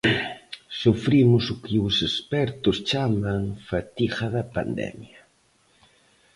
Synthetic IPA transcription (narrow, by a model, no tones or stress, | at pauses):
sufɾimʊsʊkɪʊsespɛɾt̪ʊst͡ʃamaŋfat̪ixɐðɐpa̰nd̪ɛ̰mja